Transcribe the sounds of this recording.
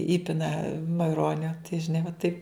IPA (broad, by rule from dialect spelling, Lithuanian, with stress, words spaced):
ˈiːpʲɪnɐ mɐɪˈroːnʲoː tɐɪ ʒʲɪˈnɐɪ ʋɐ tɐɪp